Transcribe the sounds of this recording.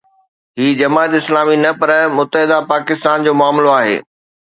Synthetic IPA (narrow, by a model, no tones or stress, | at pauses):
ɦiːd͡ʑɐmaːt̪ɪslaːminɐpɐɾmʊt̪əɦɪd̪apaːkɪst̪aːnd͡ʑoːmʊaːmloaːɦḛː